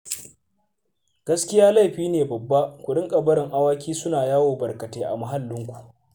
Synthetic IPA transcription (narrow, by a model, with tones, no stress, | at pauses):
ɡ̥ɐ˦skʲɪ˦jaː˦la˦˨ɸiː˦neː˨bɐ˨bːa˦kʷʊ˨ɗɪ˦ŋkʼɐ˨bɐ˦ɽɪ˨ŋʔa˦waː˦kʲiː˦sʊ˦naː˨jaː˦woː˨bɐ˨rkɐ˨teː˦ʔa̰˨mɐ˨ɦa˦lːɪ˦ŋkʷu̥˨ʔ